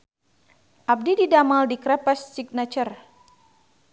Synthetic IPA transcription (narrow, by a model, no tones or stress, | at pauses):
ʔap̚dididamaldikɾapasːiɡ̚nat͡ʃər